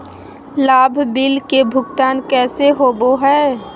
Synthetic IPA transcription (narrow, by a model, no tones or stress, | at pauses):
laːbʱbɪlkebʱʊɡt̪aːnkɛːseɦoːboɦɛː